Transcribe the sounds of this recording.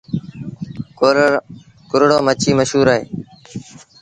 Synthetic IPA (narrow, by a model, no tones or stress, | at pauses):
kʊɾɽoːmət͡ʃʰiːməʃɦuːɾaːɦeː